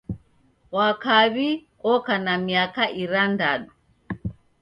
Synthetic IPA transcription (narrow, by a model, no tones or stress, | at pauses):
wakaβi | ɔkanamiakaʔiɾandaɗu